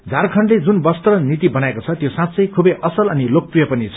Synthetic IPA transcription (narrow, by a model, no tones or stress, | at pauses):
d͡zʱarkʰʌɳɖled͡zunbʌst̪ʌnit̪ibʌnaekot͡sʰʌt̪josãt̪sʌjkʰubʌʔʌsʌlʌnilok̚prijʌpʌnit͡sʰʌ